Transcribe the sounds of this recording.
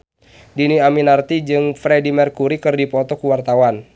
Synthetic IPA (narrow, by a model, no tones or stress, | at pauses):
diniaminart̪id͡ʒɨŋfɾɛdimɛrkuɾikɨrdipɔt̪ɔkuwart̪awan